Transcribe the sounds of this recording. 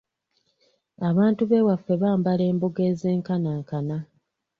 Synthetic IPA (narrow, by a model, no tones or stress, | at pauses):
aβaːntuβe̞ːwafːe̞βaːmbale̞ːmboɡe̞ːzeːŋkanaːŋkana